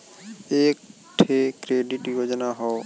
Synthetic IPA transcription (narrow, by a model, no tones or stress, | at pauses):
eːk̚ | ʈʰekɾeːɖiʈiʋod͡ʒnaɦɔ